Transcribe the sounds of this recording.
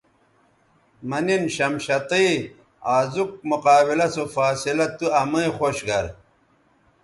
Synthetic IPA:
mɐninɕɐmɕɐt̪ii | aːzuk̚muqaːbilɐsofaːsilɐt̪uɐmɐixoɕɡɐɾ

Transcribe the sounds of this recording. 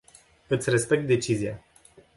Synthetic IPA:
ɨt̪sʲre̞spe̞k̚t̪̚d̪e̞t͡ʃizia

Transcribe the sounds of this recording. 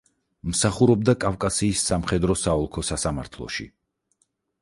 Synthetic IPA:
msaχuɾɔb̚d̪akʼafkʼasiːsːamχɛd̪ɾɔsaɔlˠkʰɔsasamaɾt̪ʰlˠɔ̰ʃḭ

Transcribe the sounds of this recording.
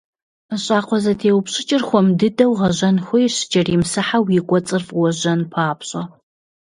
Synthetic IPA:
əɕʼaːqʷʰɔzɐtʰeːwʊpɕʼɪt͡ʃʼɪrxʷɔmdɨdɐwʁɐʑɐnxʷɔjɕɪd͡ʒɐriːmsɨħawikʷʼɔt͡sʼɨrfwɔʑɐnpʰaːpʰɕʼɐ

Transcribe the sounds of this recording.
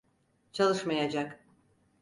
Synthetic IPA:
t͡ʃʰalˠɯʃmɑjad͡ʒak

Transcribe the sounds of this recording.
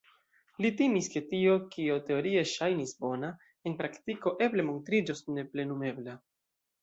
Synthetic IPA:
litimiske̞tio̞kio̞te̞o̞ɾie̞ʃajnisbo̞na | enpɾaktiko̞ʔe̞ble̞mo̞ntɾid͡ʒosne̞ple̞nume̞bla

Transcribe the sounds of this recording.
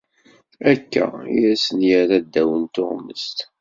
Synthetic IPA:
ækːæ̰ijæsənjəɾæd̪ːæwənt̪o̰ʁmə̰st̪

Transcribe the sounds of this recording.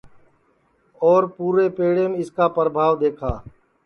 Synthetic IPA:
ɔːɾpuːɾeːpeːɽeːmẽːɪskaːpəɾəbʱaːʋd̪eːkʰaː

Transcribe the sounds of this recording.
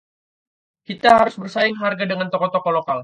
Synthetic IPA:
kit̪aɦaɾʊsbərsaɪŋɦarɡadəŋant̪ɔkɔt̪ɔkɔlokal

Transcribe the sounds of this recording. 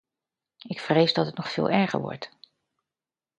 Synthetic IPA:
ɪkfrejzdɑtɦətnɔχfɪ̰ːlˠɛɹχə̰ɹʋɔ̰ɹt

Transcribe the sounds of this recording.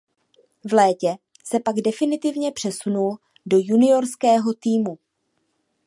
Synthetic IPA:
vlɛːcɛ | sɛpaɡdɛfɪnɪt̪ɪvɲɛpr̥ɛsunul | do̞junɪjo̞ɾskɛːɦo̞t̪iːmu

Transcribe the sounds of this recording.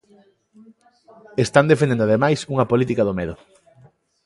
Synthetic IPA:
est̪and̪efendend̪aðemajsuŋɐpolit̪ikɐðomeðʊ

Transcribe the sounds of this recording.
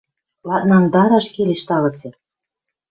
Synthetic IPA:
lɑt̪̚nɑnd̪ɑɾɑʃkelʲeʃt̪ɑlɤ̆t͡se

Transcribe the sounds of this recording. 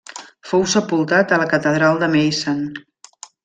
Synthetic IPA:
fowsəpulˠt̪at̪ələkət̪əðɾalˠd̪əmejsən

